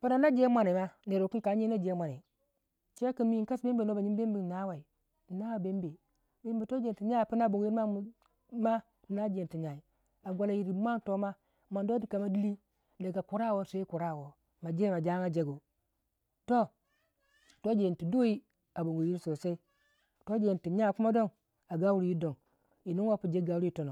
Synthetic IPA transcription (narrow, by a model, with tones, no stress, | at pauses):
pa˦na˨na˦d͡ʒe˦mʷa˦ni˨ma˦ne˨ɾo˨ki˦ka˨˦ɲe˦na˦d͡ʒe˦mʷa˨ni˨ | t͡ʃe˦ki˨mi˦˨ka˦sbe˦mbe˨no˦ba˨ɲi˦be˦mbi˨na˦wa˨i˨ | na˦wa˨be˦mbe˨ | be˦mbe˨to˦d͡ʒe˨ti˨ɲa˦˨pi˦na˦˨bo˨ŋɡi˦a˦˨˦ | ma˦ | di˨na˦d͡ʒe˨ti˨ɲa˨i˨ | a˨ɡʷa˨la˨ji˨ɾi˨˦mʷ˦a˦ŋto˦ma˦ | ma˨ndo˦di˦ka˨ma˦di˦li˦ | da˨ɡa˨ku˨ɾa˦˨wo˦se˦i˦ku˨ɾa˦˨wo˨ | ma˨d͡ʒe˦ma˨d͡ʒa˦ŋa˦d͡ʒe˦ɡo˨ | to˦ | to˦d͡ʒe˨nti˨do˦i˦ | a˨bo˨ŋɡo˨ji˦ɾso˨se˦i˦ | to˦d͡ʒe˨nti˨ɲa˦˨ku˦ma˦do˦ŋ | a˨ɡa˦wu˦ɾi˨˦ji˦do˨ŋ | i˨ni˦wo˦pi˨d͡ʒe˦ɡa˨wu˦ɾi˦i˨˦to˨no˨